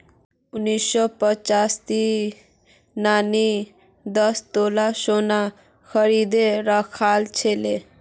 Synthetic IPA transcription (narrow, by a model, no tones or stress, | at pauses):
unːisɔpət͡ʃast̪i | nani | d̪ʌst̪olasona | kʰʌɾid̪eɾʌkʰalt͡ʃʰele